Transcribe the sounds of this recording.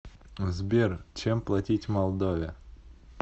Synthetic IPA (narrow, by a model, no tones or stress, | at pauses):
zbʲert͡ɕemplˠɐtʲitʲmɐlˠd̪ovʲɪ